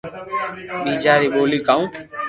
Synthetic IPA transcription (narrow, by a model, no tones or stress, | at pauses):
ɓiːd͡ʒaːɾiːɓoːliːkaːũː